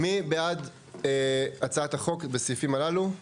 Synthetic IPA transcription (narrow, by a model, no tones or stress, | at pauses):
mibead̪ | eat͡saat̪aχo̞kbesifimalalu